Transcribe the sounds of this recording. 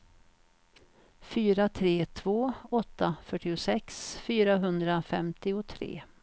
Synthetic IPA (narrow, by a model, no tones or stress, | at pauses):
fyːɾat̪ʰɾeːt̪ʰv̥oːɔt̪ːafœʈːɪʊsɛksfyːɾaɦɵnd̪ɾafɛmt̪ɪʊt̪ʰɾḛː